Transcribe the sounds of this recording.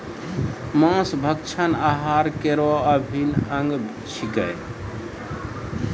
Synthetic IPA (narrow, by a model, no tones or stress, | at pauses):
mãsbʱək̚t͡ʃʰənaɦaɾkeɾoəbʱinəŋɡ | t͡ʃʰiɡəj